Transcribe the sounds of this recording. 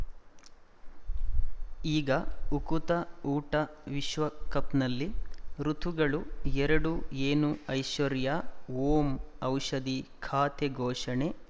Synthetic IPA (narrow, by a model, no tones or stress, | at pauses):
iːɡɐukut̪ɐuːʈɐʋiʃʋɐkɐpnɐlːiɾut̪ʰuɡɐɭuɛɾɐɽueːnuɐjʃɐɾjaoːmɐwʂɐd̪ikʰaːt̪eɡʱɔːʂɐɳe